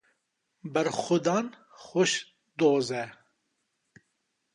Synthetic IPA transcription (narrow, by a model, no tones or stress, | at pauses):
bɐɾxʊd̪ɑːn | xoʃ | d̪oːzɛ